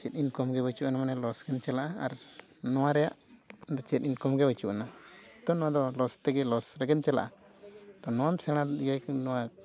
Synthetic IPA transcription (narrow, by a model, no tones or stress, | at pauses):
t͡ʃɛt̪̚inkɔmɡɛbat͡ʃuʔanamanɛlɔsɡɛnt͡ʃɛlaʔaaɾ | nɔwaɾɛjaʔd̪ɔt͡ʃɛt̪̚inkɔmɡɛbat͡ʃuʔanat̪ɔnɔ̃wad̪ɔlɔst̪ɛɡɛlɔsɾɛɡɛnt͡ʃɛla̰ʔa | t̪ɔnɔwamsɛɽ̃aijajknɔwa